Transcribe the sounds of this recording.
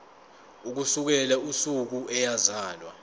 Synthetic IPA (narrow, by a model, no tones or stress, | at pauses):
uk̬usuk̬ɛlausuk̬uʔɛjazaːlwa